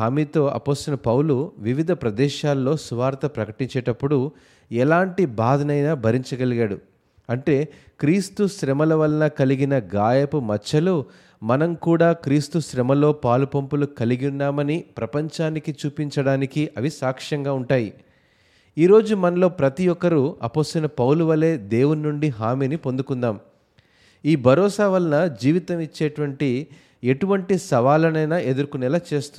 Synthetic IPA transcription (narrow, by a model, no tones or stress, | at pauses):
aːmiːt̪o̞ːʔɐ̰po̞ːst̪ɐlɐpɐwuluʋiʋid̪ʱɐpɾɐd̪ɛːʃaːlːo̞ːsuʋaːɾt̪ɐpɾɐkɐʈiɲt͡ʃɛːʈɐpːuɽu | ɛlaːɳʈibaːd̪ʱɐnɐjnaːbʱɐɾiɲt͡ʃɐɡɐliɡaːɽu | ɐɳʈe̞ː | kɾiːst̪uʃɾɛmɐlɐʋɐlɐnɐkɐliɡinɐɡaːjɐpumɐt͡ʃːɐlu | mɐnɐmkuːɽaːkɾiːst̪uʃɾɛmɐlo̞ːpaːlupɐmpulukɐliɡunːaːmɐnipɾɐpɐɲt͡ʃaːnikit͡ʃuːpiɲt͡ʃɐɽaːnikiʔɐʋisaːkʂɐŋɡaːuɳʈaːji | iːɾo̞ːd͡ʒumɐnɐlo̞ːpɾɐt̪ijɔkɐɾuɐ̰poːst̪ɐnɐpɐwluʋɐlːe̞ːd̪e̞ːwunnuɳɖiɦaːmiːnipond̪ukund̪aːm | iːbʱɐɾɔːsaʋɐlɐnɐd͡ʒiːʋit̪ɐmit͡ʃːeːʈuʋɐɳʈi | e̞ʈuʋɐɳʈisɐʋaːlɐnɐjnɐʔe̞d̪uɾkunɛlɐt͡ʃe̞ːst̪u